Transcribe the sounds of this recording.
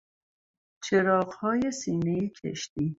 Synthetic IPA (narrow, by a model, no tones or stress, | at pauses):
t͡ʃʰeɾɒːɢhɒːje̞siːnejicʰḛʃt̪iː